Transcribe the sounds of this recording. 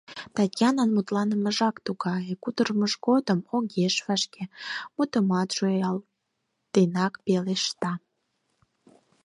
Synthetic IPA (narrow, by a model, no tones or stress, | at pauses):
t̪ɑtʲjɑnənmut̪lɑnəməʒɑkt̪uɣɑjekut̪ərməʒɣod̪əmoɣeʃvɑʃkemut̪əmɑt̪ʃoɑl | t̪enɑkpeleʃt̪ɑ